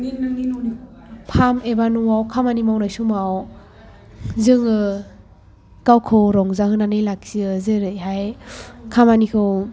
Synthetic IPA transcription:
pʰamebanuawkʰamanimawnajsumaw | zɯŋɯ | kawkʰɯwɾɔŋzahɯnanɯjlak̚siɯzɯɾɯjɦajkʰamanikʰɯw

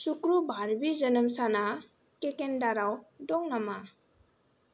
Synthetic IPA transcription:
sukɾubʱaɾbizənəmsana | kekendaɾawdɔŋnama

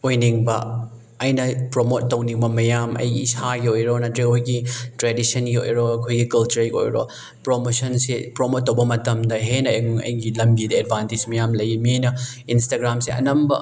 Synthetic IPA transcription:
ojniŋbɐ | ɐjnɐpɾomotːɐwniŋbɐmɐjamɐ̰jɡiisaɡiojɾonɐtɾeojɡitɾedisɐnɡio̰jɾoɐkʰojɡikɐlt͡ʃuɾiko̰jɾo̰ | pɾomosɐnsepɾomot̚ːɐwbɐmɐtɐmdɐɦenɐeŋŋɐ̰jɡilɐmɡidɐed̚bʱantid͡ʒmɐjamlɐjimiejnɐinstaɡɾamsiɐ̰nɐmbɐ

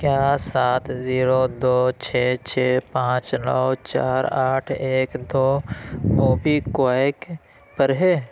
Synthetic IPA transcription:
kjaːsaːt̪ʰziːɾod̪oːt͡ʃʰeːt͡ʃʰeːpãːt͡ʃnə̰wt͡ʃa̰ːɾaːʈʰeːkd̪oːmoːbikaek | pəɾɦeː

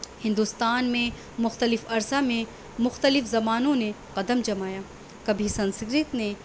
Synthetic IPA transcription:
hɪ̃nd̪ust̪aːnmẽ | mʊxt̪əlɪfɐɾsamẽ | mʊxt̪əlɪfzɐmaːnõne | qɐd̪əmd͡ʒɐmaːjaː | kɐbʱisɐ̃nsɡɾɪt̪ne

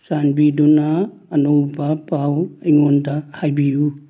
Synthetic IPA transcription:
sanbidunaːnɔwbapaweŋɔndahajbiju

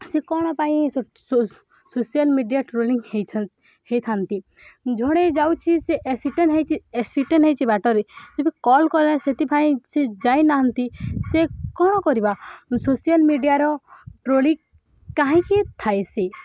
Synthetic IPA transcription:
sekɔɽ̃ɔpaĩ | o | sosijalmiɖijaʈɾoliŋhejt͡ʃʰ | hejt̪ʰant̪i | d͡ʒʱɔɽ̃ed͡ʒawt͡ʃʰiseʔsiʈenɦejt͡ʃiesiʈenɦejt͡ʃʰibaʈɔɾed͡ʒobikɔlkɔɾaset̪ipaĩsed͡ʒajnaɦɔnt̪isekɔɽ̃ɔkɔɾibasosijalmiɖijaɾɔʈɾoli | kaɦĩkit̪ʰajsi

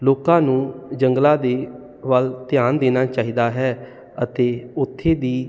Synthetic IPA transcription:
loːkãːnũːd͡ʒəŋɡlãːd̪eː | ʋəlt̪ɪjaːnd̪eːnaːt͡ʃaːɦiːd̪aːɦɛː | ət̪eːʊt̪ʰːeːd̪iː

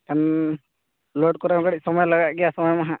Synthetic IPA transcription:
kan | lɔɖ̚kɔɾamkaɽic̚sɔmɔjləɡaɡɛjasɔmɔjmaɦã

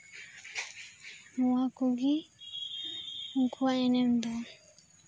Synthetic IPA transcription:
muwakuɡi | ŋ̩kʰuaɛnɛmbɔ

